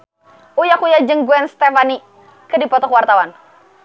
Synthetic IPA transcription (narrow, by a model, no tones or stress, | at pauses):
ʔujakujad͡ʒəŋɡuɛnst̪ɛfani | kədipɔt̪ɔkwart̪awan